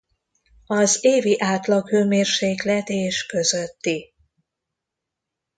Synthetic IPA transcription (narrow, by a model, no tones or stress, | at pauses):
ɒzeːviʔaːt̪lɒkhøːmeːrʃeːklɛt̪eːʃkø̞zøt̪ːi